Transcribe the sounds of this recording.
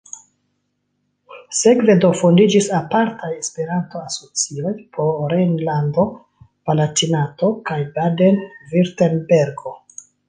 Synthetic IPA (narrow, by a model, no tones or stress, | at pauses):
se̞kve̞do̞fondid͡ʒisapaɾtʰajespeɾanto̞aso̞t͡sio̞jpʰoɾenlando̞ | v̥alatinato̞kajbadenviɾtenbe̞ɾɡo̞